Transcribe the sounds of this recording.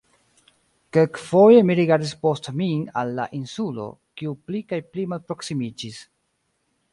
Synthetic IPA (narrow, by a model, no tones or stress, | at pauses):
kelkfo̞je̞miɾiɡaɾdispo̞stmialːa̰ʔinsulo̞̰kiuplikajplimalpɾo̞ksimid͡ʒis